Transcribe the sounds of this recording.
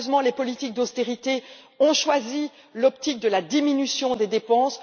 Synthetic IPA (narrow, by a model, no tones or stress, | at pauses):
zmɑ̃lepɔlit̪ik̚d̪ost̪eʁit̪e | ɔ̃ʃwazi | lɔpt̪ik̚d̪əlad̪iminysjɔ̃d̪ed̪epɑ̃s